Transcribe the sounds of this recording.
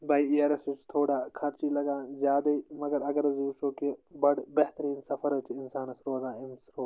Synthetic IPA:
bɐiiɐɾɐsut͡ʃt̪ʰoːɽaːkʰɐɾt͡ʃiːlɐɡãːzjaːd̪ɐiːmɐɡɐɾɐɡɐɾɐzuːʃoːkebɐɽbɐɦt̪ɐɾiːnsɐfɐɾɐt͡ʃʰiɪnsaːnɐsɾoːzãːɪmsɾoː

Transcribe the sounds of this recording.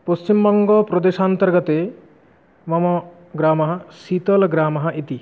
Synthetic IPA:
post͡ʃimbɔŋɡɔpɾɔd̪eʃant̪ɐɾɡɔt̪e | mɔmɔ | ɡɾaːmɐɦɐsit̪ɔlɡɾaːmɐɦɐʔit̪i

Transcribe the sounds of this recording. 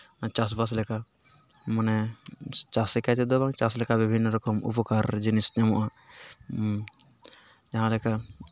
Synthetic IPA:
t͡ʃas̬bas̬lɛka | mənɛ | t͡ʃasɛkat͡ʃɛd̪ɔbãŋt͡ʃaslɛkabibʱinːɾɔkɔmṵpkaɾd͡ʒinisnɛmɔʔã | d͡ʒaɦãlɛka

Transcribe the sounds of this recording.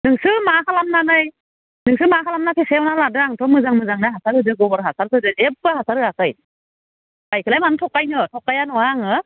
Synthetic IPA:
nɯŋsɯmaɦalamnanɯj | nɯŋsɯmaɦalamnapʰesewnaladɯaŋtʰɔmɯzaŋmɯzaŋnajɦasaɾɯdɯɡɔbɔɾɦasaɾsʰɯdɯep̚bɯhasaɾɯakɯj | kajkʰɯlajmanɯtʰɔkːajnɯtʰɔkːajanɔwaŋɯ

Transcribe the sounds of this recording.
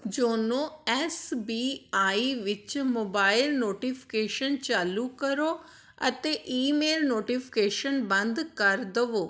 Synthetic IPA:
d͡ʒoːnõɛsbiːaːiʋɪt͡ʃmoːbaːɪlnoːʈipʰɪ̥keːʃənt͡ɕaːlukɐɾoː | ɐ̰t̪eʔiːmeːlnoːʈipʰɪ̥keːʃənbɐ̃nd̪kɐɾd̪əʋoː

